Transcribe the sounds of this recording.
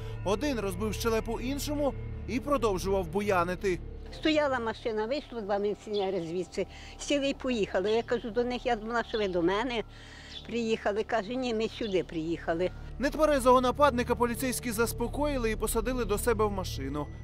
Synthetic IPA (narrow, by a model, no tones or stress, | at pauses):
ɔd̪ɪnrɔzbɪwʃt͡ʃɛlˠɛpɔʔinʃɔmʊipɾɔd̪ɔwʒʊʋɐwbʊjɑnɪt̪ɪst̪ɔjɑlˠɐmɐʃɪnɐʋɪjʃlˠɔd̪ʋɑmɪʋʲsʲɪnʲɛɾɪzʲʋʲit̪sɪ | sʲilˠɪjpɔjixɐlˠɪjakɐʒud̪ɔnɪxjazmɐlˠɑʃɔʋɪd̪ɔmɛnɛ | pɾɪjixɐlˠɪkɑʒʊnʲimɪsʲʊd̪ɪpɾɪjixɐlˠɪnɛt̪ʋɐɾɛzˠɔɦɔnɐpɑd̪nɪkɐpɔlʲit̪sɛjsʲkʲizɐspɔkɔjɪlˠɪipɔsɐd̪ɪlˠɪd̪ɔsɛbɛwmɐʃɪnʊ